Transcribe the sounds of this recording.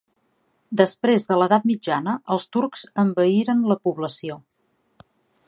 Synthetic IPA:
d̪əspɾezðələðat̪̚mid͡ʒanəʔəlˠst̪uɾkz̥əmbəiɾənləpuβləsio

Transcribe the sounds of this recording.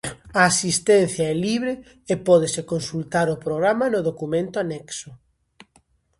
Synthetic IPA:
ɐːsist̪ɛn̟θjɐɛliβɾe | epɔð̞esekonsult̪aɾʊpɾoɣɾamɐnʊðokumẽnt̪ʊanɛksʊ

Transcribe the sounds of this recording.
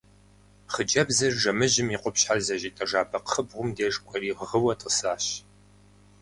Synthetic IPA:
χəd͡ʒɐbzɨrʒɐmɨʑɪmiːqʷʼʊpɕħarzɐʑiːtʼɐʐaːpʰɐqχəbʁʷʊmdeːʐkʷʼɔriːʁʁəwɐtʼəsaːɕ

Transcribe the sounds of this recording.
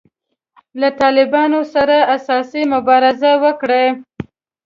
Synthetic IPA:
lat̪ɑlɪbɑnosaɾaasɑsimʊbɑɾɪzawəkɽe

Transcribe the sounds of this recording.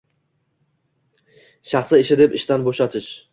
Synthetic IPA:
ʃaχsɪɪʃɪd̪epɪʃt̪anboʃat̪ʰɪʃ

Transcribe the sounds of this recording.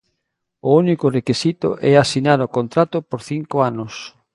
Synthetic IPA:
ʊunikʊrekisit̪ʊ̰ʔɛasinaɾokont̪ɾat̪ʊpoɾθiŋkʊanʊs

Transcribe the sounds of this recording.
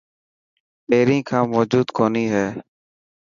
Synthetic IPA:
peːɾĩːkʰãːmoːd͡ʒuːd̪kʰoːniːɦɛː

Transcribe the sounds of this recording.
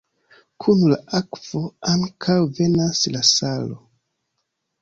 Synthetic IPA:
kʰunula̰ʔakv̥o̞aŋkʰawve̞naslasalo̰

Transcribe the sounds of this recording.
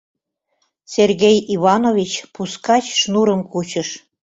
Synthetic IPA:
serɣejiβɑnovʲit͡ɕpuskɑt͡ɕʃnuɾəmkut͡ɕəʃ

